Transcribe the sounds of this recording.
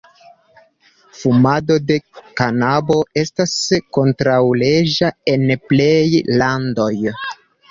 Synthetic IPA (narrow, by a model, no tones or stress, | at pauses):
fumado̞de̞kanabo̞e̞stasko̞ntɾawle̞d͡ʒae̞nplejlando̞j